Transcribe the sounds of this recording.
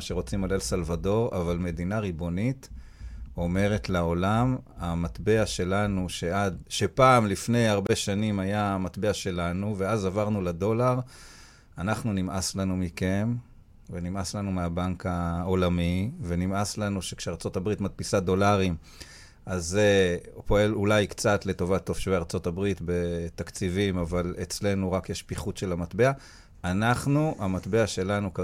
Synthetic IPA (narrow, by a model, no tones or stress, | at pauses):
ʃeʁo̞t͡simalelsalvado̞ʁa̰valme̞d̪inaʁibo̞nit̪ | o̞me̞ʁe̞t̪lao̞lamamat̪be̞aʃe̞lanuʃe̞ad̪ʃe̞paːmlifne̞jaʁbe̞ʃanimajamat̪beaʃe̞lanuve̞azavaʁnulado̞laʁ | anaχnunimʔaslanumike̞m | venimaslanumeabaŋkaolamivenimaslanuʃe̞kʃeaʁt͡so̞tabʁit̪mat̚pisado̞laʁim | ʔazepo̞e̞lulajkt͡satle̞to̞vat̪ːofʃveaʁt͡so̞tabʁitbe̞t̪akt͡sivimavalet͡sle̞nuʁakjeʃpiχutʃe̞lamatbe̞a | anaχnuʔamatbe̞aʃe̞lanuka